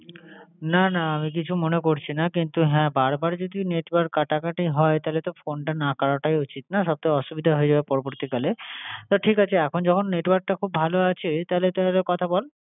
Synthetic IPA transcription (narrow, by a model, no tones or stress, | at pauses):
nanaamik̬it͡ɕʰumonekoɾt͡ɕʰinakint̪uɦɛ̃baɾbaɾd͡ʑod̪ineʈwaɾk̚ːaʈakaʈiɦɔet̪alet̪ofonʈanakaɾaʈajot͡ɕit̪naʃɔb̚t̪ajɔʃubid̪ʱaɦoed͡ʑabepɔɾoboɾt̪ikalet̪aʈʰikat͡ɕʰeɛkʰond͡ʑɔkʰonːeʈwaɾk̚ʈakʰubːʱaloat͡ɕʰet̪alet̪aɾekɔt̪ʰabɔl